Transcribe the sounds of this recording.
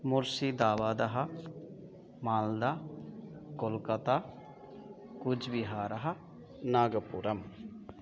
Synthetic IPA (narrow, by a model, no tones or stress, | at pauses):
muɾsid̪aːʋaːd̪ɐɦɐ̆ | maːld̪aː | kolkɐt̪aː | kud͡ʒbiɦaːɾɐɦɐ̆ | naːɡɐpuɾɐm